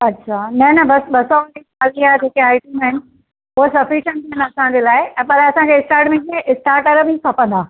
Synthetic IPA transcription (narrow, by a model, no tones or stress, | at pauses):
ɐtːɕʰaːnɐnɐbɐsɓɐsɔ̃nd͡ʑit͡ɕaːliaːd͡ʑʱeːkeaːɪʈimaɦɪnɪ̆ | ʊɦosɐfiʃə̃ɳʈ̪ʰiənɐsãɲd͡ʑelaːɪɛ̃ːpɐlaɐsãkʰeɪsʈaːɾʈmẽkʰeʔɪsʈaːɾʈɐɾbʱikʰɐpə̃nd̪aː